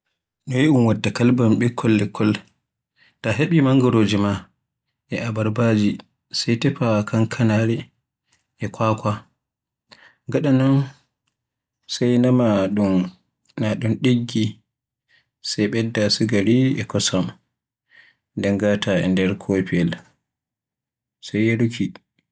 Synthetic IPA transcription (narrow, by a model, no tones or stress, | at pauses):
ɗɔjiʔumwadːakalbamɓɛkʰːɔlːɛkʰːɔl | taɦeɓimaŋɡɔɾoːd͡ʒima | ʔɛʔabaɾbad͡ʒi | sajtɛpakaŋkʰanaɾɛ | ʔɛkwaːkʷa | ɡaɗanɔn | sajnamaɗun | naɗunɗeɡːi | sajɓɛdːasiɡaɾiɛ̰kɔsam | ndɛŋɡataɛ̰ndɛɾkʰopiɛl | sajeɾukʰi